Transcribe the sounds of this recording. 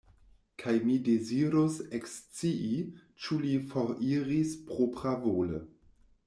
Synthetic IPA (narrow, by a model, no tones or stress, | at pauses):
kʰajmideziɾosekst͡siʔi | t͡ʃulifoɾiɾispɾopɾavolə̰